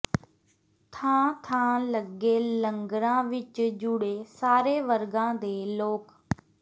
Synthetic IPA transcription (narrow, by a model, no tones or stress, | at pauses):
t̪ʰãːt̪ʰãːləɡeːləŋɡɾãːʋɪt͡ʃd͡ʒʊɽeːsaːɾeːʋəɾɡãːd̪eːloːk